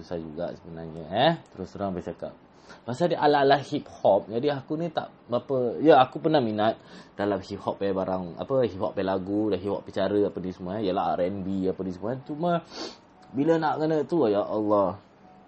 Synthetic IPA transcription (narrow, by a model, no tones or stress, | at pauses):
susad͡ʒṵɡa̰ʔsəbənaɲəɛt̪əɾʊsəɾaŋbət͡ʃaka̰p̚ | pasadiʔalaalahhip̚hɔp̚d͡ʒadiakunĩt̪a̰ʔ | bapəjəakupənahminat̪̚dalamhip̚hɔpːɛbaɾaŋa̰pəɦip̚hɔ̰pːɛlaɡudaɦip̚hɔ̰ʔpːit͡ʃaɾəapənisəmuajəlaa̰ɾɛnbiapənisəmuat͡ʃumə | bilənaʔɡənət̪ujaʔɔlːɔh